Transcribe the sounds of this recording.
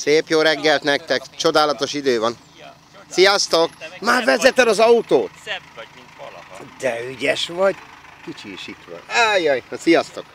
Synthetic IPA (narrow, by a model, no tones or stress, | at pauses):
seːpjoːlɾɛɡːɛlt̪nɛk̚t̪ɛkt͡ʃo̞d̪aːlɒt̪o̞ʃid̪øːvɒn | sijɒst̪o̞kmaːrvɛzɛt̪ɛlɒzɒut̪oːt̪ | d̪ɛyɟɛʃʋɒɟ | kit͡ʃiːʃit̪ʋɒ̰najojsijɒst̪o̞k